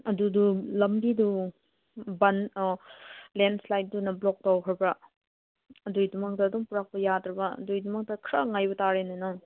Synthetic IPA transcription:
ɐdudulɐmbidu | bɐn | lenslajt̚dunɐblok̚tawkʰɾɐɾbɐ | ɐdujdumɐk̚tɐːdɔŋpuɾak̚pɐjadɾɐbɐɐ̰dujdumɐk̚tɐkʰɾɐŋajbɐtaɾenenoŋ

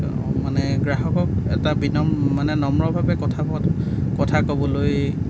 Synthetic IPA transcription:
manɛɡɹaɦɔkɔk̚ɛ̰tabinɔmːanɛnɔmɹɔbʱabɛkɔtʰabɔt | kɔtʰakobɔloj

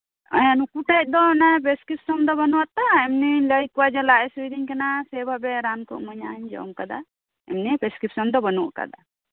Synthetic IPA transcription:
ə̰janukuʈat̚ˀd̪ɔnapɾeskɾip̚sɔmd̪ɔbɔnuwat̪aɛmniləjkuwad͡ʒalaʔɛsuiɾiŋkanasɛbʱabɛɾankṵʔməɲaɲd͡ʒɔ̰mkad̪a̰ | ɛ̰mnipɾeskɾipsɔmd̪ɔbənuʔka̰d̪a̰

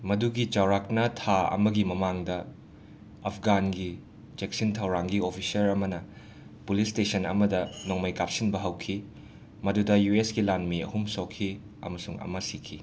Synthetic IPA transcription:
mɐduɡit͡ʃawɾak̚nɐtʰaɐ̰mɐɡimɐmaŋdɐ | ɐpʰɡanɡi | t͡ʃeksintʰɐwɾaŋɡiopʰisɐɾɐmɐnɐ | pulistesɐnɐ̰mɐdɐnoŋmɐjkap̚sinbɐɦɐwkʰi | mɐdudɐjuesɡilanmiɐ̰humsowkʰːi | ɐ̰mɐsuŋɐ̰mɐsikʰi

